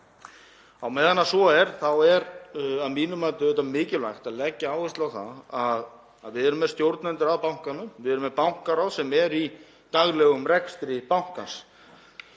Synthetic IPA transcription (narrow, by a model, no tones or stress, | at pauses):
awmejðanːasvɔɛɾ̥θawɛɾaðmiːnʏmajt̪ʏðɛt̪amɪːcɪlvajxt̪aðlɛcːaaːwvɛst̪lawθa̰ðað | a̰ðvɪðɛɾʏmːɛð̥st̪jowɾt̪nant̪ɪɾaðpawŋ̥kanːʏmvɪðɛɾʏmːɛðpawŋ̥kaɾawðsɛmɛɾi | t̪aɣlɛɣʏmɾɛkst̪ɾɪpawŋ̥kans